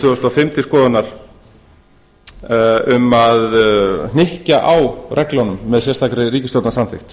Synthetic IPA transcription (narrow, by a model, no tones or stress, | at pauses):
ʏʏst̪ɔfɪmt̪ɪskɔːðʏanaɾ̥ | ʏmaðnɪhcaʔawrʔɛklanʏmːɛðsɛst̪ʰakɾɪriːcɪst̪owt̪nasanθɪ̰xt̪